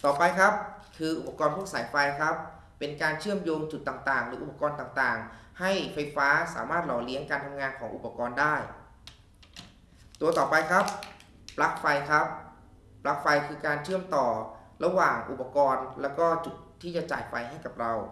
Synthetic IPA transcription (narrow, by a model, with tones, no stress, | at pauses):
t̪ɔː˨˩pa˧jkʰa˦˥p̚kʰɯː˧ʔu˨˩pːa˧kɔː˧npʰu˥˩əksaː˨˩˦jfa˧jkʰa˦˥p̚ː | e˧nkaː˧nt͡ɕʰɯ˥˩əmjoː˧ŋt͡ɕu˨˩t̪ːaː˨˩ŋt̪aː˨˩ŋlɯː˩˦ʔu˨˩pa˧kɔː˧nt̪aː˨˩ŋt̪aː˨˩ŋha˥˩jfa˧jfaː˦˥sa̰ː˩˦maː˥˩t̪̚lɔː˨˩˦li˦əŋkaː˧nt̪ʰa˧mŋaː˧nkʰɔː˩˦ŋʔṵ˨˩pːa˧kɔː˧ndaː˥˩j | t̪u˧ɐt̪ɔː˨˩pa˧jkʰa˦˥p̚ː | la˦˥k̚fa˧jkʰa˦˥p̚ | pla˦˥k̚fa˧jkʰɯː˧kaː˧nt͡ɕʰɯ˥˩əmt̪ɔː˨˩la˧waː˨˩ŋʔu˨˩pːa˧kɔː˧nlɛː˦˥wkɔː˥˩t͡ɕu˨˩t̪ʰːiː˥˩t͡ɕa˨˧˩t͡ɕa̰ː˨˩jfa˧jɦa˥˩jka˨˩p̚ɾa˧w